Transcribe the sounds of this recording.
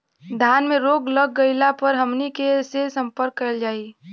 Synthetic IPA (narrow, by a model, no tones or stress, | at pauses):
d̪ʱjaːnmẽɾoːɡləɡːəɪlapəɾɦəmnikesesə̃mpəɾkːəld͡ʒaːi